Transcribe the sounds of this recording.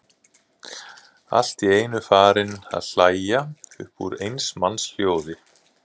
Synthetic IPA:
a̰l̥t̪ieːjnʏfaːɾɪna̰ðl̥aːjjaʏ̰hpṵɾejnsmansl̥joːwðɪ

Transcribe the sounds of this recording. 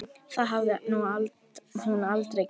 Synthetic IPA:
θaðɦavðɪnualt̪hunalt̪ɾej

